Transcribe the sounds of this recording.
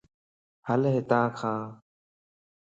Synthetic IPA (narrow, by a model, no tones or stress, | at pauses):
həlɦet̪ãːkʰãː